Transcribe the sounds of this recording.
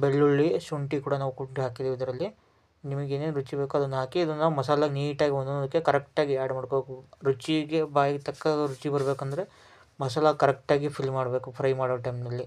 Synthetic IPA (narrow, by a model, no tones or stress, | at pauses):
beɭːuɭːiʃuɳʈikuːɽɐnaːʋukuʈiɦaːkid̪iʋid̪ɐɾɐlːi | nimɐɡeːneːnuɾut͡ʃibeːkuɐd̪ɐnːɐɦaːkiːd̪ɐnːaːʋumɐsaːlɐniːʈaːɡiʋɐnd̪unɐd̪ɐkːekɐɾek̚ʈaːɡiaːɽmaːɽkobekuɾut͡ʃiɡebaːjiɡt̪ɐkːɐd̪ɐɾut͡ʃibɐɾɐbeːkuɐnd̪ɐɾe | mɐs̬aːlakɐɾekʈaːɡipʰilmaːɽɐbe̞ːkupʰɾɐjmaːɽɐːʈɐjmnɐlːi